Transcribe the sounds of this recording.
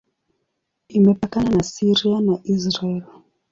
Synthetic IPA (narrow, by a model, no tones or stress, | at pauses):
imɛpakananasiɾianaʔisɾaɛli